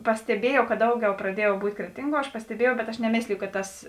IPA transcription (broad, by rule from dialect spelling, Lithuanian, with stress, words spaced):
pɐsʲtʲɛˈbʲiɛjɛʊ kɐt ˈdɐʊˌɡʲɛʊ prɐˈdʲiɛjɛʊ ˈbuːtʲ ˈkrʲæːtʲɪŋˌɡuɔ ɐʃ pɐsʲtʲɛˈbʲiɛjɛʊ bʲɛt ɐʃ nʲɛˈmʲeːsʲlʲɪjʊ kɐt ˈtɐs